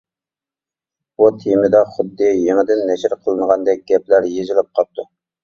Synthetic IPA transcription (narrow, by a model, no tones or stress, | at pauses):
but̪ʰimɪd̪ɑχʊd̪ːɨjeŋɪd̪ɪnːɛʃɪɾqʰəlˠɨnəʁɑnd̪ɛk̚ʲɡʲɛplæɾjezɪlˠɪp̚qʰɑp̚t̪ʰu